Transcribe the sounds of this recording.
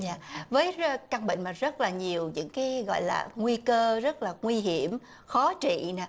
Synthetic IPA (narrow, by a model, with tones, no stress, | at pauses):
ɲaː˧˨vəː˨˦jka˧ŋɓḭ̈˧˨ŋ̟maː˨˩zə˦˥t̚laː˨˩ɲi˨˩əwɲɨ̰˧˥ŋkaː˨˦jɣɔ̰˧˨jla̰ː˨˩ŋwi˧kəː˧zə˦˥t̚laː˨˩ŋwi˧ɦi˧˩əm | xɔ˨˦t͡ɕḭ˧˨na˨˩